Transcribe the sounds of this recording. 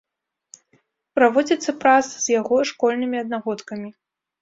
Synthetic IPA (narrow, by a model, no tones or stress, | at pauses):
pɾavɔd͡zʲit̪sːɐpɾasz̥jaɣɔʂkɔlʲnɨmʲiɐd̪̚naɣɔt̪kɐmʲi